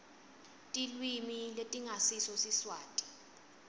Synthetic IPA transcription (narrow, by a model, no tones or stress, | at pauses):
tʼilwimiletʼiŋasisɔsiswaːtʼi̥